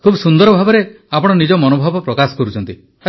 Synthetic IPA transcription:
kʰubɔsund̪ɔɾɔbʱabɔɾe | apɔɽ̃ɔnid͡ʒɔmɔnobʱɔbɔpɾɔkasɔ̥kɔɾut͡ʃʰɔnt̪i

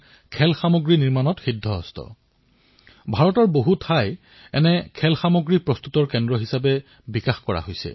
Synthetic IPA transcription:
kʰɛlxamoɡɹiniɹmanɔtxidʱːɔɔstɔ̰ | bʱaɹɔtɔɹboɦutʰaj | ɛ̰nɛkʰɛlxamoɡɹipɹɔst̪utɔɹkɛndɹɔɦisapɛ | bikaxkɔɹa̰ɦojsɛ̰

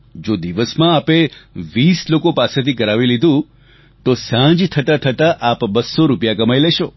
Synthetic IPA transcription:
d͡ʒod̪iʋəsmãːpeʋislokopaset̪ʰikəɾaʋilid̪ʱũ | t̪osãd͡ʒt̪ʰət̪at̪ʰət̪aʔapbəsːoɾupjakəmajleʃo

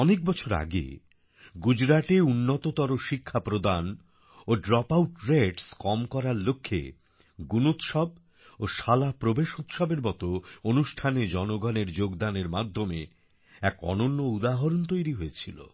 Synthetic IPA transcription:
ɔnek̚bɔt͡ɕʰoɾa̰ɡḛ | ɡud͡ʑɾaʈeunːot̪ot̪ɔɾoʃikʰːapɾod̪an | oɖɾɔpawʈɾeɖskɔmkɔɾaɾlokʰːḛ | ɡunut̪ʃɔb | oʃalapɾobeʃut̪ʃɔbeɾbɔt̪oonuʃʈʰaned͡ʑɔnoɡɔneɾd͡ʑoɡd̪aneɾmad̪ʱome | ɛkɔ̰nonːoud̪aɦɔɾont̪ojɾiɦojet͡ɕʰilo̰

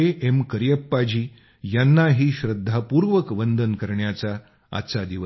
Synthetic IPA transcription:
eʔemkəɾijəpːad͡ʑiː | janːaɦiːɕɾəd̪ʱːapuːɾʋəkʋənd̪ʱənkəɾɳjat͡sa̰ː | t͡sad̪iʋ

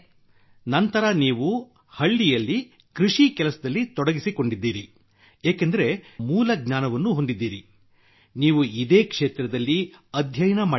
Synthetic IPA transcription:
nɐnt̪ɐɾɐniːʋu | hɐɭːijɐlːi | kɾiʂikɛlɐsɐd̪ɐlːit̪ɔɽɐɡisiko̞ɳɖid̪ːiːɾi | eːkend̪ɐɾe̞muːlɐɡɲaːnɐʋɐnːuɦo̞nd̪id̪ːiːɾi | niːʋuid̪eːkʂeːt̪ɾɐd̪ɐlːiɐd̪ʱjɐjnɐmaː

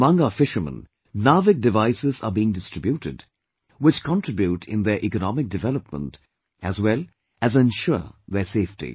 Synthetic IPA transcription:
mʌ̃ŋaəfɪʃəmə̰̃n | navɪk̚dɨvaɪsɪzə̰biɪ̃ŋdɪstɹ̥ɪbjuʈɪ̰d | wɪt͡ʃkʰə̃ntʰɹ̥ɪbjutʰɪ̰̃nðəɹʔikənɔmɪk̚dɨvɛləp̚mə̰̃nt | ʔæzwɛlˠ | æzə̃nʃʊðəseɪftḭ

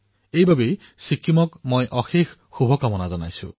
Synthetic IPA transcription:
ejbabej | sikʰːimɔkmojʔɔxixʰːubʱɔkamɔnazɔna̰jsṵ̃

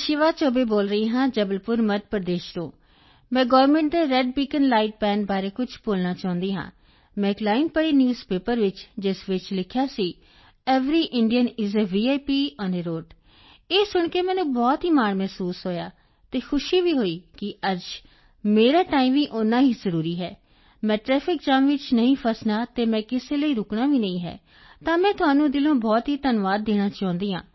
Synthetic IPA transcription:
ʃɪʋaːt͡ʃoːbeːboːlɾəiːɦãːd͡ʒəbəlpʊɾməʈ̪̚pəɾəd̪eːʃt̪õː | mɛ̃ːɡɔːʋəɾmɛ̃ːɳʈ̚d̪eːɾɛɖ̚biːkənlaːɪʈ̚pɛ̃ːnbaːɾeːkʊt͡ʃʰpoːlnaːt͡ʃãːʊ̃nd̪iːɦã̰ː | mɛ̃ːklaːɪnpəɽiːnjuːzpeːpəɾʋɪt͡ʃd͡ʒɪsʋɪt͡ʃlɪkʰjaːsiː | ɛːʋɾiːʔɪɳɖijənɪzeʋiːaːipiːɔːneɾoːɖ | eːsʊɳkeːmɛ̃ːnũːbɔːt̪ɦiːmaːɽmɛːsuːsɦoːjaː | t̪eːkʰʊʃiːʋiːɦoːiːkɪəd͡ʒ | meːɾaːʈaːiːmʋiːʔʊnãːɦiːzəɾuːɾiːɦɛː | mɛ̃ːʈɾɛːpʰɪk̚d͡ʒaːmʋɪt͡ʃnəɦĩːpʰəsnaːt̪eːmɛ̃ːkɪseːləiːɾʊkɳaːʋiːnəĩːɦɛ̰ː | t̪ãːmɛ̃ːt̪ʊɦaːnũːd̪ɪlõːbɔːt̪ɦiːt̪ənʋaːd̪ːeːɽ̃aːt͡ʃãːʊ̃nd̪iːã̰ː

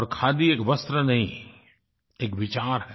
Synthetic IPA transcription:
ɔːɾkʰaːd̪ieːkʋɐst̪ɾənɐɦĩ | eːkʋɪt͡ʃaːɾɦɛː

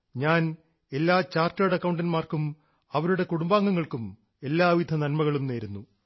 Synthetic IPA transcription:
ɲaːn | e̞lːaːt͡ɕaːrtɐɽɐkːɐwuɳɖɐnmaːrkum | ɐʋɐɾuɽe̞kuɽumbaːŋːɐŋːɐɭkum | e̞lːaːʋid̪ʱɐnɐnmɐɣɐɭumne̞ːɾunːu

